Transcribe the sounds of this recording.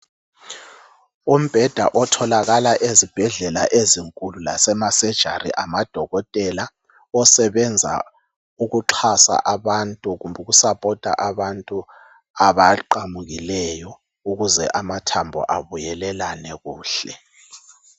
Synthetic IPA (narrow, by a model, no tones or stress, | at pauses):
um̩b̥ʱɛd̥ʱaʔɔtʰɔlaɣalaʔezib̥ʱɛɮɛlaʔeziŋkʼulula̰sɛmasɛd̥ʒ̥ʱa̰rḭʔamad̥ʱɔɣɔtʼɛla | ɔsɛβɛnd͡zʱa̰ | uɣuǃʰasa̰ʔaβantʼuɣumbʱɛɣusapʼɔtʼa̰ʔaβantʼu | aβaǃamuɣilɛjɔ | uɣuzɛ̰ʔamatʰambʱɔ̰ʔaβujɛlɛlanɛɣuːɬɛ